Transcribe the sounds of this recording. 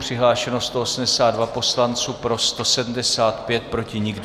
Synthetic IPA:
pr̝̥ɪɦlaːʃɛnost̪o̞osm̩dɛsaːd̪dvapo̞slant͡suːpɾo̞st̪o̞sɛdm̩dɛsaːt̪pjɛt̪̚pɾo̞cɪɲɪɡd

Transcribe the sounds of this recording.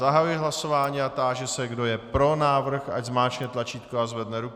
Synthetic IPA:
zaɦajujɛɦlaso̞vaːɲiːat̪aːʒɛsɛɡdo̞jɛpɾo̞naːvr̩xa̰ɟzmaːt͡ʃɲɛt̪lat͡ʃiːt̪koazvɛdnɛɾu

